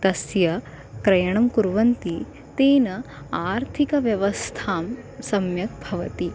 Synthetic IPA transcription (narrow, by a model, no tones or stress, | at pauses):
t̪ɐsjɐ | kɾɐjɐɳ̃ɐmkuɾʋɐnt̪i | t̪eːnɐ | aːɾt̪ʰikɐʋjɐʋɐst̪ʰaːmsɐmjɐk̚bʱɐʋɐt̪i